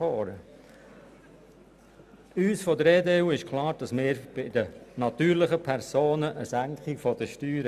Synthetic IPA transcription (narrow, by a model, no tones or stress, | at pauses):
ɔːɾə | yːsfɔd̪əɾeːdeːuːɪʃkʰlˠɑːɾd̥ɑsmɪːɾb̥ɪd̥̪ənɑt̪yːɾlɪχəpʰɛɾsoːnəʔəsæŋkχifɔd̥̪əʃtyːɾə